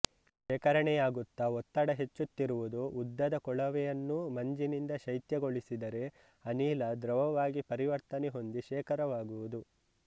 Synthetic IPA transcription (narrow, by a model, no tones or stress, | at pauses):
ʃɛːkɐɾɐɳɛjaːɡut̪ːɐɔt̪ːɐɽɐɦe̞t͡ʃːut̪ːiɾuʋud̪uud̪ːɐd̪ɐkɔɭɐʋɛjɐnːumɐɲd͡ʒinind̪ɐʃɐjt̪jɐɡo̞ɭisid̪ɐɾe̞ | ɐniːlɐd̪ɾɐʋɐʋaːɡipɐɾiʋɐɾt̪ɐneɦo̞nd̪iʃɛːkɐɾɐʋaːɡuʋud̪u